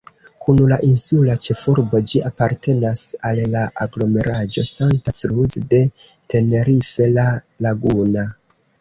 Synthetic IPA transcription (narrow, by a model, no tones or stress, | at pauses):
kunlaʔinsulat͡ʃe̞fuɾbo̞d͡ʒiapaɾte̞nasalːaʔaɡlo̞me̞ɾʔad͡ʒo̞santasɾuzde̞te̞ne̞ɾife̞la | laɡuna